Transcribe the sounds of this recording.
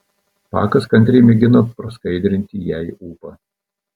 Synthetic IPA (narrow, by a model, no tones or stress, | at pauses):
pɑ̰ːkɐskɐnʲt̪ʲɾʲɛɪmʲɪɡʲɪnoːpɾɐskɐɪd̪ʲɾʲɪnʲt̪ʲijæɪuːpɑ